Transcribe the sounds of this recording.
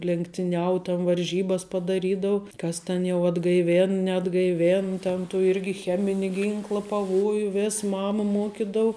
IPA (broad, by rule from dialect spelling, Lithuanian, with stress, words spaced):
lʲɛŋktʲɪˈnʲɛʊ tɐn ʋɐrʲˈʒʲiːbɐs pɐdɐˈrʲiːdɐʊ ˈkɐs tʲɛn jɛʊ ɐdɡɐɪˈʋʲeːn nʲɛɐdɡɐɪˈʋʲeːn tʲɛn tuː ˈɪrʲɡʲɪ ˈxʲæːmʲɪnʲɪ ˈɡʲɪŋklˠɐ pɐˈʋoːjʊ ˈʋʲeːs ˈmɑːmɐ ˈmuɔkʲɪdɐʊ